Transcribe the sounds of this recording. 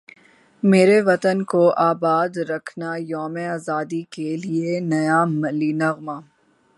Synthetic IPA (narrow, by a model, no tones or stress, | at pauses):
meːɾeʋɐt̪ənkoʔaːbaːd̪ɾɐkʰnajɔːmẽaːzaːd̪ikelienɐjamɐliːnɐɣmaː